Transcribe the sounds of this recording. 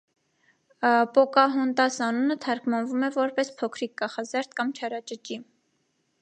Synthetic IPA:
pɔkɑɦɔnt̪ɑsɑnunət̪ʰɑɾkmɑnvumɛvɔɾpɛspʰɔkʰɾik̚ɡɑχɑzɛɾt̪̚kɑmt͡ʃʰɑɾɑt͡ʃət͡ʃim

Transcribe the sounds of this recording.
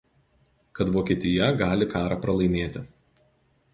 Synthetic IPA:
kɐt̪ʋoːkʲeːt̪ʲɪjɛɡɑːlʲɪkɑːɾɑːpɾɐlˠɐɪmʲeːt̪ʲɪ

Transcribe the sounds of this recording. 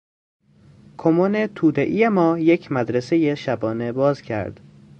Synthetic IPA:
kʰomonet̪ʰuːd̪eʔijemɒːjecʰmæd̪ɾese̞jeʃæbɒːne̞bɒːzcʰæ̰ɾd̪̥

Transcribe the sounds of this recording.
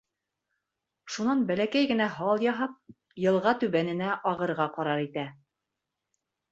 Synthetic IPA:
ʃunɑnbælækæjɡɘ̆næɦɑlˠjɑɦɑp̚ | jɤ̆lˠʁɑt̪ʉβænɘ̆næʔɑʁɤ̆ɾʁɑqɑɾɑɾit̪æ

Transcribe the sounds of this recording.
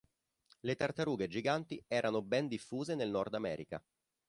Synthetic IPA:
let̪art̪aɾuːɡed͡ʒiɡant̪iɛːɾanobɛnd̪ifːuːzenelnɔrd̪amɛ̰ːɾḭka̰

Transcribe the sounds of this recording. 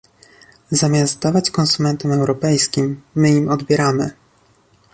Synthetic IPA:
zamʲjast̪̚d̪avat͡ɕkɔnsumɛnt̪ɛmɛwɾɔpɛjskʲimːɘimɔd̪bʲjɛɾamɘ̰

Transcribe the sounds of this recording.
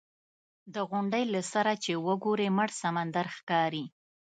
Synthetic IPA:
d̪əɣʊɳɖəjlasaɾat͡ʃewəɡoɾeməɽsamand̪aɾxkɑɾi

